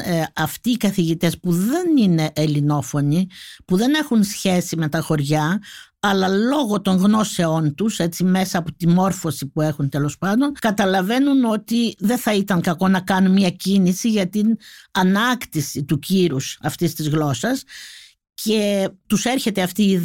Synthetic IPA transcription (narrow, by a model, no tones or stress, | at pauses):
ɐft̪iːkɐθiʝit̪e̞spuðe̞nine̞ʔːlino̞fo̞nipuðe̞ne̞xunsçe̞sime̞t̪ɐxo̞ɾʝɐ | ɐlɐlo̞ɣo̞t̪o̞ŋɣno̞se̞o̞nt̪use̞t͡sime̞sɐːpot̪imo̞ɾfo̞sipue̞xunt̪e̞lo̞spɐnd̪o̞nkɐt̪ɐlɐve̞nuno̞t̪iðe̞θɐit̪ɐŋkɐko̞nɐkɐnunmiɐcinisiʝɐt̪inɐnɐkt̪isit̪uciɾusɐft̪ist̪izɣlo̞sɐs | ce̞t̪useɾçe̞t̪eɐft̪iː